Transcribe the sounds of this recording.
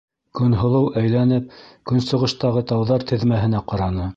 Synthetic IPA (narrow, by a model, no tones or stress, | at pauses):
kɵ̆nɦŏlˠɤwʔæjlænɘp̚kɵ̆nsŏʁɤ̆ʃt̪ɑʁɤt̪ɑwðɑɾt̪ɘ̆ðmæɦɘ̆næqɑɾɑnɤ